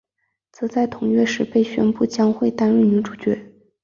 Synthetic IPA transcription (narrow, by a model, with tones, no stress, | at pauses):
t͡sʰɹ̩˧˥˦t͡sa˥˩ɪt̪ʰʊ˨˧˥ŋɥɛ˥˧ʂɻ̩˥˩pe˥˩ɪɕɥɛ̰˥npu˥˩t͡ɕjɑ˥ŋxwe˥˩ɪt̪a˥nɻu˥˩ny˧˥ʈ͡ʂu˨˩t͡ɕɥɛ˧˥